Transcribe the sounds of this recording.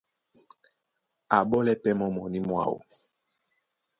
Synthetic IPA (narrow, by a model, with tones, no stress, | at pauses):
a˨ɓɔ˦lɛ˦pɛ˦mɔ˦mɔ˨ni˦mwa̰˦˨wo̰˨